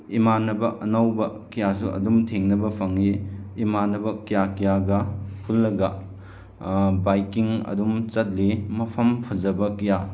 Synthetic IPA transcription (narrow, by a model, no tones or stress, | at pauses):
imanːɐbɐʔɐnawbɐkijasuʔɐ̰dumtʰeŋnɐbɐpʰɐŋiimanːɐbɐkijakijaɡɐpʰulːɐɡɐ | bajkiŋɐ̰dumt͡ʃɐt̚limɐpʰɐmpʰɐd͡ʒɐbɐkɐja